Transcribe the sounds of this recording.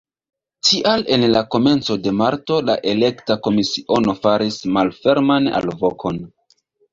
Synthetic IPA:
tʰiʔale̞nlako̞me̞nt͡so̞de̞maɾto̞la̰ʔe̞le̞ktako̞misiʔo̞no̞faɾismalfe̞ɾmana̰lvo̞kʰo̞n

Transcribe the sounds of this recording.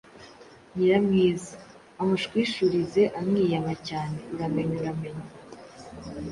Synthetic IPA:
ɲiɾamŋiːza | amuʃkwiːʃuɾize̞ʔamŋiːjamacaːne̞uɾame̞ɲuɾame̞ɲa

